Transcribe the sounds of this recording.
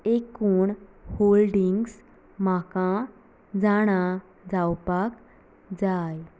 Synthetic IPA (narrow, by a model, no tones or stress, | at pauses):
ekuːɳholɖiŋɡs | makã | d͡zaɽ̃a | d͡zawpak | d͡zaj